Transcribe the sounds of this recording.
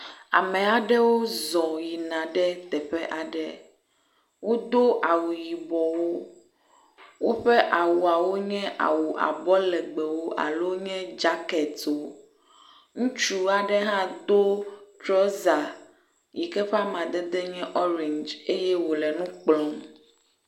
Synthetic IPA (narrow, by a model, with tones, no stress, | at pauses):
a˨mɛ̃˨a˨ɖɛ˦wo˦zɔ˨ji˨nã˨ɖɛ˦t̪ɛ˨ɸɛ˦ʔa˨ɖɛ˦ | wo˦d̪o˦ʔa˨wu˨ji˨bɔ˨wo˦ | wo˦ɸɛ˦ʔa˨wu˨a˨wo˦ɲɛ̃˦ʔa̰˨wu˨ʔa̰˨bɔ˦lɛ˨ɡ͡bɛ˨wo˦ʔa̰˨lo˦ɲɛ̃˦d͡ʒa˦kɛ˨t̪o˨ | ŋũ˦t͡ʃu˦a˨ɖɛ˦ɦã˦d̪o˦t̪ɾɔ˦za˨ | ji˨kɛ˦ɸa˦mã˨d̪ɛ˦d̪ɛ˦ɲɛ̃˦ʔɔ˦ɾɛ̃˨ɲd͡ʒe˦jɛ˦wo˨lɛ˨nũ˦k͡plɔ̃˨m